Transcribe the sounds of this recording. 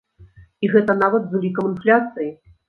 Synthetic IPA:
iɣɛt̪ɐn̪avɐd̪zulʲikɐmɨnflʲat̪sɨji

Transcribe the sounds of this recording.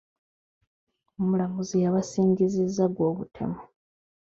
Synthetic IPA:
omulamuzijaβasiːɲɟizizːaɡwo̞ːβutʰe̞̰mo

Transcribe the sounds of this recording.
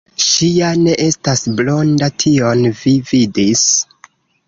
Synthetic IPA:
ʃiane̞ʔestasblo̞ndatʰio̞nvividis

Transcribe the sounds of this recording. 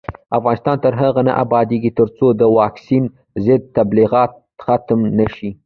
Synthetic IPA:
afɣɑnɪst̪ɑnt̪əɾɦaɣana̰ʔabɑd̪eɡit̪əɾt͡sod̪əwɑksin | zɪd̪̚t̪abliɣɑt̪̚ | xat̪mnəʃi

